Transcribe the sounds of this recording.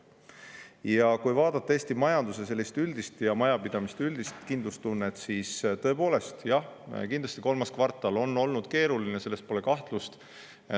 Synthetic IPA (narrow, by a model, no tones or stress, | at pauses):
jɑkujvɑːd̪̥ɑt̪ˑːɑeːst̪imɑjɑnd̪use̞s̬e̞lʲːist̪yld̪̥ist̪jɑmɑjɑpid̪̥ɑmist̪yld̪ist̪kind̪lust̪unːet̪siːst̪ɤ̞e̞po̞ːle̞st̪jɑhkind̪lɑst̪iko̞lmɑskvɑrt̪ːˑɑlo̞nːo̞lnud̪̥ke̞ːɾulinese̞lːe̞st̪̚po̞le̞kɑht̪lust̪